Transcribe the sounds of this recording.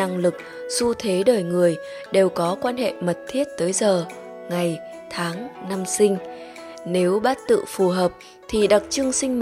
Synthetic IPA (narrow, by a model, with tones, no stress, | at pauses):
a˧ŋlɨ˨˩k̚ | su˧t̪ʰe˨˦ɗəː˨˩jŋɨ˨˩əj | ɗe˨˩wkɔ˨˦kwaː˧nhḛ˧˨mə˨˩t̚t̪ʰi˦˥ət̚t̪əː˨˦jzəː˨˩ | ŋa˨˩j | t̪ʰaː˨˦ŋna˧msï˧ŋ̟ | ne˨˦wɓa˦˥t̚t̪ɨ̰˧˨fu˨˩ɦəː˨˩p̚ | t̪ʰi˨˩ɗa˨˩t̚t͡ɕɨ˧əŋsï˧ŋ̟m